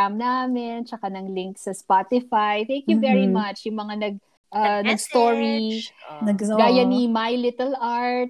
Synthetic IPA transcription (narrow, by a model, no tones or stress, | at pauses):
amnaːmɪnt͡ʃɐkanɐŋlɪŋksɐspat̪ɪfajθɛ̃ŋkjuvɛɹimɐt͡ʃjʊŋmɐŋanɐɡ̚ | ʔɐnɐɡst̪oɹi | ɡɡaːjɐnimajlɪt̪ɛlʔaɹt̪̚